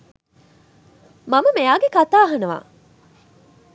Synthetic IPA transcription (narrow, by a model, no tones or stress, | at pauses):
mɐməmejaːɡekat̪aːɦɐnɐʋa̰ː